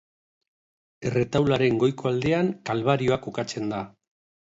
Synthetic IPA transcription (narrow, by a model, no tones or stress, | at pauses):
ere̞t̪awlaɾe̞ŋɡo̞jko̞ald̪e̞aŋkalβaɾio̞ako̞kat͡se̞nd̪a